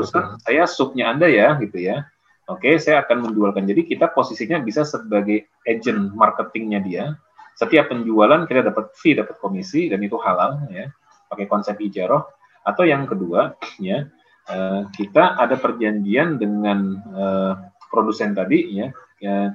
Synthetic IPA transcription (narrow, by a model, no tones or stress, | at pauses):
t̪ɾuskansajasʊp̚ɲaːndajaɡit̪uja | okesajaːkanməɲd͡ʒualkand͡ʒadikit̪aposisiɲabisasəbaɡaj | ed͡ʒənmarkət̪ɪŋɲadia | sət̪iapːəɲd͡ʒualankit̪adapat̪̚fidapat̪̚komisidanit̪uhalalja | pakajkɔnsɛp̚hid͡ʒaɾɔh | at̪awjaŋkəduaja | əkit̪aʔːdapərd͡ʒaɲd͡ʒiandəŋanəpɾodusɛnt̪adija | ə